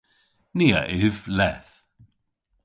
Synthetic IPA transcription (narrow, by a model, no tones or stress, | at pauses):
niːa̰ʔɪvlɛθ